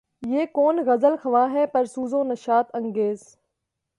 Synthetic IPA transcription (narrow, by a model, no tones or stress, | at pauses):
jeːkoːnɣɐzəlxɐʋãːɦɛːpɐɾsuːzõːnɐʃaːt̪ɐ̃ŋɡeːz